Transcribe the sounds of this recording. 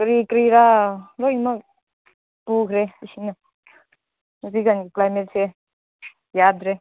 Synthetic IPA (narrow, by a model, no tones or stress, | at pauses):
kɾikɾiɾaɾɔjmak̚ | pukʰɾeisina | ziɡanɡiklajmet̚se | jadɾe